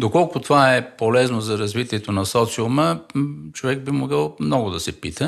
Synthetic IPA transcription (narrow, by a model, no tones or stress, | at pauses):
d̪okɔlˠkʊt̪ovaɛpolɛznozɐɾɐzvit̪iɛt̪onɐsɔt̪siomət͡ʃovɛɡ̚bimoɡəlˠmnɔɡʊd̪ɐsɛpit̪ə